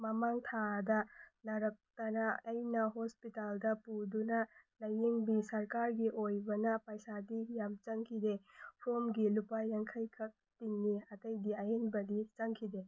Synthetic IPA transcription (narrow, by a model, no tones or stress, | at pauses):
mɐmaŋtʰadɐnɐɾɐk̚tɐnaːjnɐɦospitaldɐpudunɐlɐjeŋbisɐɾkaɾɡiʔojbɐnɐpɐjsadijamt͡ʃɐŋkʰidepʰɾomɡilupajːaŋkʰɐjkʰɐk̚tiŋniɐtɐjdiajenbɐdit͡ʃɐŋkʰide